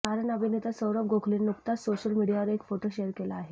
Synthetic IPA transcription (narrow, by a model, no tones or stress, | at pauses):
aɾəɳəbʱinet̪asəʋɾəp̚ɡʱokʰliːnːukt̪asoɕəlmiɽijaʋəɾeekfoʈoɕeəɾkelaːɦe